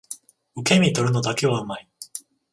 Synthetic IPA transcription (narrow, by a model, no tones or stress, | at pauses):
ɯ̟ke̞mʲit̪o̞ɾɯ̟no̞d̪ake̞β̞aɯ̟mai